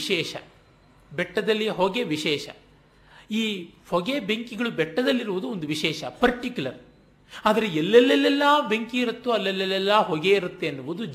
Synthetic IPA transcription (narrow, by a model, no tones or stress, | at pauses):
ʃɛːʃɐ̰ | bɛʈːɐd̪ɐlːijɦoːɡeʋiʃɛːʃɐ̰ | iːhɔɡebeŋkiɡɐɭubɛʈːɐd̪ɐlːiɾuʋud̪uond̪uʋiʃɛːʃɐpɐɾʈikjulɐɾ | aːd̪ɐɾeɛlːɛlːɛlːɛlːɐːbeŋkiiɾut̪ːuɐlːɛlːɛlːɛlːɐːɦoɡeiɾut̪ːeɐnːuʋud̪u